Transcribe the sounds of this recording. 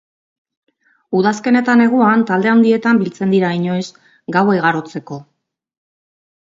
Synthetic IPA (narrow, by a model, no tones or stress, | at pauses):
uð̞aske̞ne̞t̪ane̞ɣ̞uant̪ald̪e̞and̪ie̞t̪ambilt͡se̞nd̪iɾaiɲo̞es | ɡawejɣaɾo̞t͡se̞ko̞